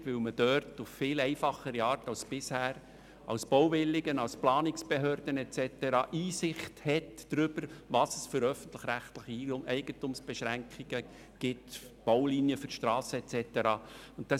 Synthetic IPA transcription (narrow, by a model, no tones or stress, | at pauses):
tʋɵwməd̥øɾtʊfːɪːlɛɪfɑχəɾiɑːrtɑwsb̥ɪshæːɾ | ɑ̰ʊsb̥ɔwvɪlːɪɡənɑwsplɑːnɪksb̥eɦœːɾd̥̪ənɛt͡sɛtəɾɑːʔiːsɪχthɛtd̥ɾʏb̥əɾvɑsəsfʏɾœfən̩t̪ləχɾæχtləχiimʔɛɪɡ̥əntumsb̥ɛʃɾæŋkχiɡ̥ə | ɡ̥ɪtb̥owlinjəfʏrʃtɾɑːsəɛtt͡sɛt̪əɾɑːʊnt̚tɑ